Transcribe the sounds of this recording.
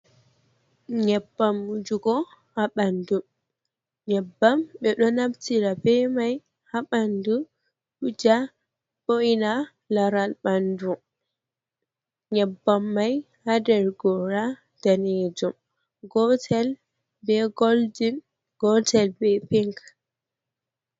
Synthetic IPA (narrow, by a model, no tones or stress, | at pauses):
ɲɛbːamːud͡ʒuɡɔhaɓandum | ɲɛbːamɓɛɗɔnabtiɾabɛmaj | haɓandu | ɗud͡ʒa | boina | laɾalɓandu | ɲɛbːamːaj | hadɛɾɡɔɾa | d̥aned͡ʒum | ɡɔtʰɛl | bɛɡɔldin | ɡ̥ɔtʰɛlbɛpiŋk